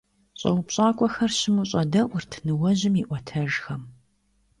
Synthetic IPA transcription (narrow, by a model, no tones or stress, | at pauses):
ɕʼɐ̰wʊpɕʼaːkʷʼɔxɐrɕɪmuɕʼɐdɐʔʷʊrtʰnɨwɐʑɪmiʔʷɔtʰɐʒxɐm